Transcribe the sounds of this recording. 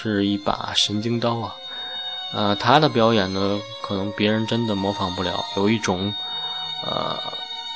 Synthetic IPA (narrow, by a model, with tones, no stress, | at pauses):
ʂɻ̩˥˧i˥˩pa̰˨˩ɕi˧˥nt͡ɕi˥ŋt̪ɑ˥ʊɐ˨ | ə˧t̪ʰa˥d̪ə˨p̬jɑ˧˥ʊjɛ˨˩nnə˦kʰɤ˨˩nɤ˧˥ŋpjɛ˧˥ɻə˧˥nʈ͡ʂə˥nd̪ə˨mwɔ˧˥fɑ˨˩ŋpu˥˩ljɑ˧˥ʊjo˨˩ʊi˥˩ʈ͡ʂʊ˨˩˦ŋ | ə̰˧˩